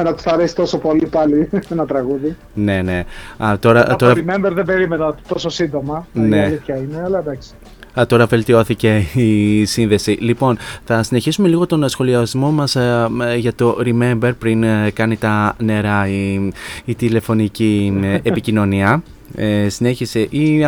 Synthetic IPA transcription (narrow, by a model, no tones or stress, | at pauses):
enɐt̪u̥sɐɾesi̥t̪o̞so̞po̞lipɐlienɐt̪ɾɐɣuði | ne̞ne̞ɐt̪o̞ɾɐt̪oɾɐimembeɾðembe̞ɾimenɐt̪o̞sosind̪o̞mɐneliçɐineɐlɐd̪ɐksi̥ | ɐt̪o̞ɾɐve̞lt̪io̞θice̞isinðe̞silipo̞nθɐsine̞çisume̞liɣo̞t̪o̞nsxo̞liɐzmo̞mɐsʝɐt̪o̞ɾime̞mbe̞ɾpɾinkɐnit̪ɐne̞ɾɐiit̪ile̞fo̞niciepicino̞niɐ | esine̞çiseʔi